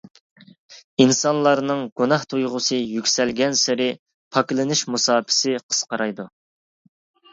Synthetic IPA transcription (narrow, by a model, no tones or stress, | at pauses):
insɑnlˠɑɾnɨŋɡ̥unɑht̪ʰujʁʊsɨjykʲsɛlɡʲɛnsɪɾɪ | pʰɑklˠɨnɨʃmusɑːpʰɪ̥sɪqʰə̥sqɑɾɑjd̪u